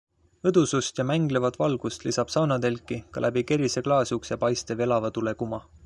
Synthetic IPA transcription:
ɤd̪̥usust̪jɑmæŋɡ̥levɑt̪vɑlɡ̥ust̪lisɑb̥sɑwnɑd̪e̞lkːˑikɑ̰lʔæb̥ike̞ɾise̞klɑːsjuksjɑpɑjst̪eve̞lɑvɑt̪ule̞kumɑ

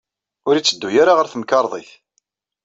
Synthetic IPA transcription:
ʊɾit͡sːəd̪ːujaɾaʁəɾθəmkɑɾˤðˤiθ

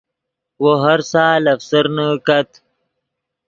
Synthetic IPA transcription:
woɦaɾsaːlɐfsəɾnəkɐt̪

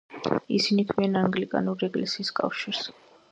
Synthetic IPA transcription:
ḭsinik̪ʰvianaŋɡlikʼa̰nuɾiɛɡlɛsiːskʼa̰fʃiɾs

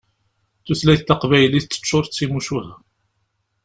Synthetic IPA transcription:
θuslæjθt̪ːəqvæjəliθt͡s̪ːə̥t͡ʃːʊɾˤt͡sːimuʃuhæ

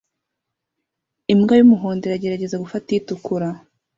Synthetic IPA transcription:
imɡajumuɦo̞ːndeɾaɟe̞ɾaɟe̞zaɡufatitukuɾa

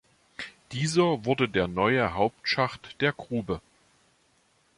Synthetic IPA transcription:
d̥iːzɐvʊɐdədeːɐnɔʏəɦaʊp̚tʃaχtd̥eːɐɡʁuːbə

